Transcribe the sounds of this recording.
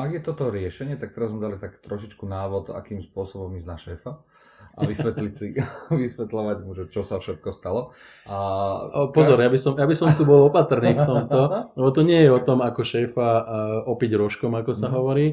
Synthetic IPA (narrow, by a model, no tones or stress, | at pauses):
aɡjɛt̪ɔt̪ɔɾɪɛʃɛɲɪɛt̪ak̚t̪ɛɾazmɛd̪alit̪akːt̪ɾɔʃit͡ʃkunaːʋɔt̪a̰kiːmspʊɔsɔbɔmiznaʃɛːfa | ʔa̰ʋisʋɛt̪lisiʋisʋɛt̪lɔʋaɟmuʒɛt͡ʃɔsafʃɛt̪kɔst̪alɔ | ʔa | pɔzɔɾjabisɔmjabisɔmt̪ubɔlɔpat̪r̩niːft̪ɔmt̪ɔlɛbɔt̪ɔɲɪɛjɛɔt̪ɔmakɔʃɛːfaɔpiɟɾɔʃkɔmakɔsaɦɔʋɔɾiː